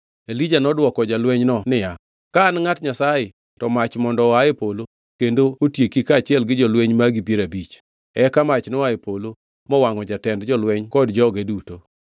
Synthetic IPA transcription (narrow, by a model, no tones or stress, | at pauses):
elid͡ʒanɔdwɔkɔd͡ʒalwɛɲnɔnɪja | kaːnŋatɲasajɪ | tɔmat͡ʃmɔndɔajepolo | kendootjekikat͡ʃɪɛlɡɪd͡ʒɔlweɲmaɡipjeɾabit͡ʃ | ɛkamat͡ʃnɔajepʰolo | mɔwaŋɔd͡ʒatɛndd͡ʒɔlwɛɲkɔdd͡ʒɔɡeduto